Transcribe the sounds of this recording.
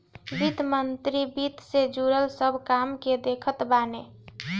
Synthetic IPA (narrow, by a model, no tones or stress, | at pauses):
bit̪mənt̪ɾibit̪sed͡ʒuɾəlsəbʱkamked̪ekʰət̪bane